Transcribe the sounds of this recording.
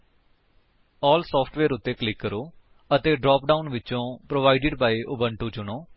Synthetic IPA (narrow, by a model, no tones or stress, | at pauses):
ɔːlsɔːpʰʈʰʋeːɾʊt̪ːeːklɪkːəɾoː | ət̪eːɖɾɔːp̚ɖaːʊnʋɪtːt͡ʃõːpɾoːʋaːiɖɪɖbaːiʔʊbəɳʈuːt͡ʃʊɽ̃oː